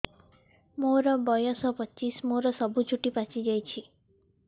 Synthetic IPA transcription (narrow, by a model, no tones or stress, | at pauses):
moɾɔbɔjɔsɔpɔt͡ʃːismoɾɔsɔbut͡ʃʰuʈipat͡ʃid͡ʒajt͡ʃʰi